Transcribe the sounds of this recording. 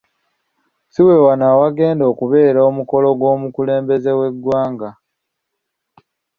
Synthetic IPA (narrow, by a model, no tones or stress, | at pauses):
siwe̞wanaːwaɡe̞ːndo̞ːkuβe̞ːɾoomuko̞lo̞ɡwo̞ːmukule̞ːmbe̞ze̞we̞ɡwaːŋɡa